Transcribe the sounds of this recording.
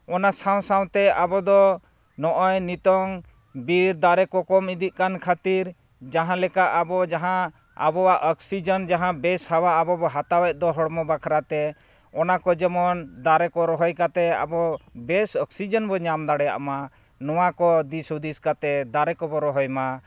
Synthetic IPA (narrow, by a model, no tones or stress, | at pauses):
ɔnasaw̃saw̃t̪ɛabɔd̪ɔ | nɔʔɔjnit̪ɔŋ | biɾd̪aɾɛkɔkɔmid̪iʔ̚kankʰat̪iɾ | d͡ʒaɦãlɛkaʔabɔd͡ʒaɦã | a̰bɔwaʔəksid͡ʒɔnd͡ʒaɦãbɛshawaːbɔbɔɦat̪awɛʔ̚d̪ɔɦɔɽmɔbakʰaɾat̪ɛ | ɔnakɔd͡ʒɛmɔnd̪aɾɛkɔɾɔɦɔjkat̪ɛa̰bɔbɛsɔksid͡ʒɔnbɔɲamd̪aɽɛja̰ʔma | nɔw̃akɔd̪isud̪iskat̪ɛd̪aɾɛkɔbɔɾɔɦɔjma